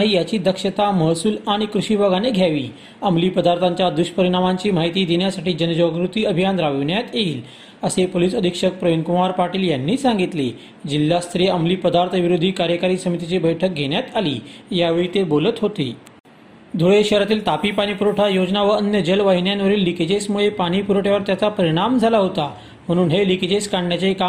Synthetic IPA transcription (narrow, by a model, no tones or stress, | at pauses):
ɦiːjat͡ɕiːd̪əkʂət̪aməɦsuːlaɽ̃ikɾuɕiːbʱaɡaneɡʱjaʋiː | əmliːpəd̪aɾt̪ʰãɲt͡ɕjad̪uʂpəɾiɽ̃amaɲt͡ɕiːm̤aɦit̪iːd̪eɳjasaʈiːd͡ʑənd͡ʑɔɡɾut̪iːəbʱijanɾaʋiʋɳjat̪jeiːl | əsepoliːsəd̪ʱikʂək̚pɾəjonkumaɾpaɾʈiːljanːiːsãŋɡit̪le | d͡ʑilːast̪ʰɾiamliːpəd̪aɾt̪ʰəʋiɾod̪ʱːiːkaɾjəkaɾiːsəmit̪it͡ɕiːbəjʈʰək̚ɡʱeɽ̃jat̪alḭːjaʋeɭiːt̪ebolət̪ɦot̪iː | d̪ʱoɭeɕəɾat̪iːlt̪apiːpaɽ̃ipuɾəʈʰajod͡znaʋəənjəd͡ʑəlʋaɦinjanʋəɾiːlːikid͡ʑesmuɭepaɽ̃ipuɾəʈʰjaʋəɾt̪jat͡sapəɾiɽ̃amd͡zʱalaɦot̪a | m̤əɽ̃uːnɦelikid͡ʑeskaɳɖɳjat͡ɕaika